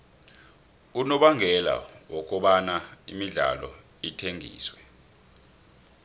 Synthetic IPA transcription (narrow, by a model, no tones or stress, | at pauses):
unɔɓaŋɡʱɛla̰wɔk̬ʼɔɓanaḭmiɮa̰lɔ̰ | itʰeŋʱḭːswɛ